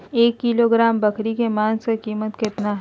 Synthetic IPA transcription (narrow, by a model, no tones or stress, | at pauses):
eːkːiloɡɾaːmbɐkʰɾikemãːnskakiːmət̪kɪt̪naɦ